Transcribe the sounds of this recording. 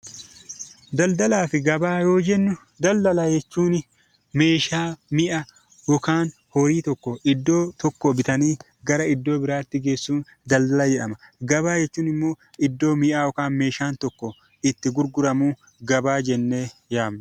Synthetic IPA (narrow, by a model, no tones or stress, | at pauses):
d̪ɐld̪ɐlaːfɪɡɐbaːjo̞ːd͡ʒɛnːʊ | d̪ɐld̪ɐlajɛt͡ʃːuːnɪ | me̞ːʃaːmɪʔɐ | jɔkaːn | hɔɾiːt̪ɔkːɔɪd̪ːo̞ːt̪ɔkːɔbɪt̪ɐniː | ɡɐɾɐɪd̪ːo̞ːbɪɾaːt̪ːɪɡe̞ːsːuːn | d̪ɐld̪ɐlɐjɛʔɐmɐɡɐbaːjɛt͡ʃːuːnɪmːo̞ː | ɪd̪ːo̞ːmɪʔaːjɔkaːnme̞ːʃaːnt̪ɔkːɔ | ɪt̪ːɪɡʊɾɡʊɾɐmuː | ɡɐbaːd͡ʒɛnːe̞ːjaːmnɛ